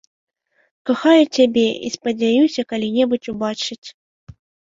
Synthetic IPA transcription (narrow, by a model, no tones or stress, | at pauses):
kaxajut͡sʲabʲɛḭspɐd͡zʲajusʲɐkalʲinʲɛbut͡sʲubat͡ʂɨt͡sʲ